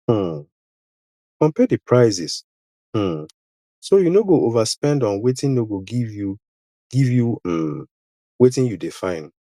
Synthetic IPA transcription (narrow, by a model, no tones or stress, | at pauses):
m̩ | kɔ̃mpɛdipʰɹaɪzis | m̩ | sojunoɡoʔovaspɛ̃ndɔ̃nwetĩnnoɡoɡivju | ɡ̥ivju | wetĩnjudefãɪ̃n